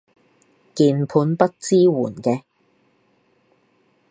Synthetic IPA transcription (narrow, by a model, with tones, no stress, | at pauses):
kiː˨˧npʰuː˨˧npɐ˥t̚t͡siː˥wuː˨˩nkɛː˧